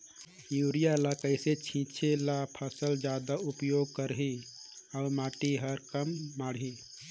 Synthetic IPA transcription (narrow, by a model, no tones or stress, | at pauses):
juːɾijaləkəɪset͡ʃʰĩːt͡ʃʰelapʰasəld͡ʒaːd̪aupjoɡ̚kəɾɦiaʊmaːʈiɦəɾkəmːaːɽɦi